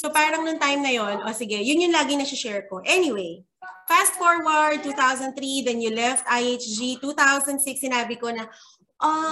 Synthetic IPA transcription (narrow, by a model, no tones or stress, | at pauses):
sopaːɐɾɐŋnʊŋt̪ajmnɐjonʔosɪɡɛjʊnjʊŋlaːɡɪŋnɐʃɪʃɛɹkoʔɛniwej | fast̪̚foɹwɐɹd̪̚t̪uːt̪awsɐ̃n̚θɾid̪ɛnjʊlɛft̪ajet͡ʃd͡ʒit̪uːθawsɐ̃nd̪sɪksːɪnaːbɪkonɐ | ʔɐ